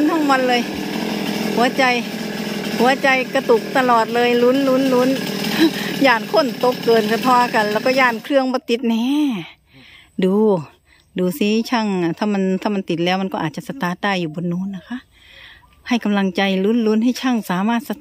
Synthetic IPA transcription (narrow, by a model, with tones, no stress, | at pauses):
nt̪ʰɔ˧˥˨ŋma˧˥˨nlɤː˧j | hu˨˦ɐ˦t͡ɕa˧j | hu˨˦ɐt͡ɕa˧jka˧t̪u˧˩k̚t̪a˧lɔː˨˩t̪̚lɤː˧jlu˧˥nlu˧˥˨nlu˧˥n | jaː˧˩nkʰo˧˥˨nt̪o˧˥kːɤː˨˩nsa˧t̪ʰɔː˧˥ka˧˨nlɛː˧˩wkɔ˧˩jaː˧˩nkʰɾɯ˧əŋbɔː˧˦t̪i˧˦t̪̚nɛː˧˥ | duː˨˧ | duː˨˧˩si˧˦t͡ɕʰa˧˥˩ŋ˧˨t̪ʰa˧˩ma˧˥nt̪ʰaː˧˩ma˧nt̪i˨˩t̪̚lɛː˧˩wma˧˨nkɔ˧ʔːt̪̚t͡ɕa˧˨sa˧t̪aː˧˦t̪aː˧˩˨juː˨˩bɔː˨˧˦uː˧˥˨nːa˧˩kʰa˧˥ʔ | ha˧˩jka˧˨mla˧ŋt͡ɕa˧jlu˧˥˨nlu˧˥nhɦa˧˩jt͡ɕʰa˧˥˩ŋsaː˨˦maː˧˩t̪̚sa˧